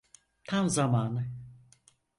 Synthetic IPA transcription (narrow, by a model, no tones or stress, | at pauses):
t̪ʰamzamaːnɯ